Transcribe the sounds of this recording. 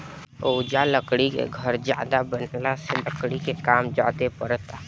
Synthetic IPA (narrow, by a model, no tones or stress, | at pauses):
oːd͡ʒaləkɽikḛɡʱɐɾd͡ʒja̰ːd̪abənlaseləkɽikekaːmd͡ʒaːt̪epəɾt̪aː